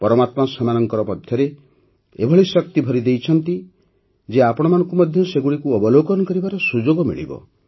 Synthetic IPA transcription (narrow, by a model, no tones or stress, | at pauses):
pɔɾɔmat̪masɔmanɔŋkɔɾɔpɔd̪ʱjɔɾe | ebʱɔɭisɔk̚t̪ibʱɔɾid̪ejt͡ʃʰɔnt̪i | d͡ʒeapɔɽ̃ɔmanɔŋkumɔd̪ʱjɔseɡuɭikuɔbɔlokɔnɔkɔɾibaɾɔsud͡ʒoɡɔmḭɭḭbɔ̰